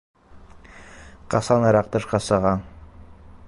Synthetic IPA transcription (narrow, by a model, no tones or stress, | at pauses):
qɑsɑnɤɾɑq̚t̪ɤʃqɑsɑʁɑn